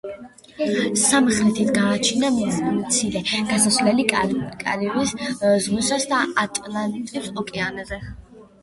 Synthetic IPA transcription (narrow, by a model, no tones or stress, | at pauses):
samχɾɛt̪ʰit̪ʰɡaːt͡ʃʰinamt̪sʰilɛɡ̥asasvlɛlikʼa̰ɾiɾiszʁusasd̪aat̪ʼlanit̪ʼipsɔkʼɛanazɛ